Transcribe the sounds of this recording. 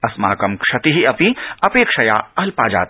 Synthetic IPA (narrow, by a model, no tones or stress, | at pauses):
ɐsma̰ːkɐmkʂɐt̪iɦiɐpĩɐpeːkʂɐjaːɐlpaːd͡ʒa̰ːt̪